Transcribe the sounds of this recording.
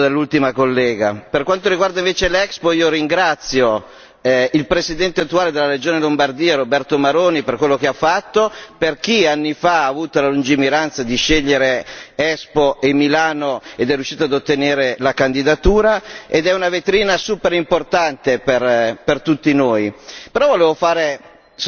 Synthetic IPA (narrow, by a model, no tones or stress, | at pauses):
d̪elːult̪imakolːɛːɡaperkwant̪oɾiɡward̪aiɱveːt͡ʃelɛkspoiːoɾiŋɡɾat̪sjo | ilpɾesid̪ɛnt̪eat̪ːuaːled̪elːaɾed͡ʒoːnelombard̪iːaɾobɛrt̪omaɾoːniperkwelːokeafːat̪ːoperk̟ianːifaaːvuːt̪olalund͡ʒimiɾant̪sad̪iʃeʎːeɾeɛspoemilaːnoed̪ɛrjuʃːiːt̪oad̪ot̪ːeneːɾelakand̪id̪at̪uːɾaed̪ɛunavet̪ɾiːnasuːpeɾimport̪ant̪eperpert̪ut̪ːinoːjpeɾɔvoleːvofaːɾe